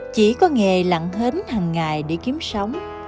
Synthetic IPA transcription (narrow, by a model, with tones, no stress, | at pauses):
t͡ɕi˧˩kɔ˨˦ŋe˨˩la̰˧˨ŋɦə˨˦nhaː˨˩ŋːaː˨˩jɗe˧˩ki˨˦əmsə˨˦wŋ͡m